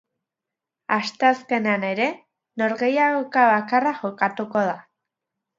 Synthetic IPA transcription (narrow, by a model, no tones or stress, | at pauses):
ast̪e̞aske̞neane̞ɾe̞ | no̞ɾɣe̞jaokaβakaraʝo̞kat̪uko̞ð̞a